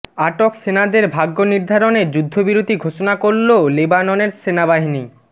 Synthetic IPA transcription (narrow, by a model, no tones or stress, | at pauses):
aʈoksenad̪eɾbʱaɡːoniɾd̪ʱaɾoneɾd͡ʑud̪ʱːobiɾot̪iɡʱoʃonakoɾːolebanɔneɾsenabaɦini